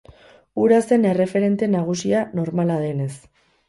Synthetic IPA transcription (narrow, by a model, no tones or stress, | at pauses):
uɾase̞ne̞re̞fe̞ɾe̞nt̪e̞naɣ̞usiano̞ɾmalað̞e̞ne̞s